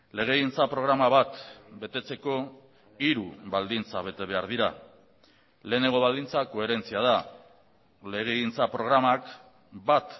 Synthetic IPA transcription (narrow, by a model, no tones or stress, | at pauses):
le̞ɣ̞e̞ɣint͡sapɾo̞ɣ̞ɾamaβat̪be̞t̪e̞t͡se̞ko̞ | iɾuβald̪int͡saβe̞t̪e̞βe̞aɾðiɾa | le̞ːne̞ŋɡo̞βald̪int͡sako̞e̞ɾe̞nt͡siað̞a | le̞ɣ̞e̞ɣint͡sapɾo̞ɣɾamak | bat̪